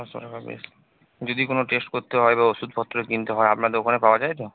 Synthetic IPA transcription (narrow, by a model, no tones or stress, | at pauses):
asɔ̰ɾbabḛs | d͡ʑod̪ikonoʈesʈkoɾt̪eɦɔebaosud̪ʱpʰɔt̪ːɾoekint̪eɦɔeapnad̪owkʰanepaoad͡ʑajt̪o